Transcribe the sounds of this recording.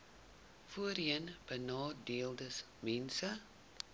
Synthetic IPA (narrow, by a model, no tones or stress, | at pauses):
fuəɾiənb̥ənɑːdeəlˠdəs | mɛnsə